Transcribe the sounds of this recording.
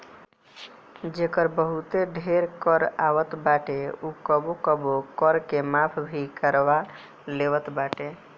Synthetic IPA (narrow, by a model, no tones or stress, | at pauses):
d͡ʒekəɾbəɦut̪eɖʱeɾkəɾaʋət̪baʈeukəbokəbokəɾkemapʰbʱikəɾʋa | leʋət̪baʈe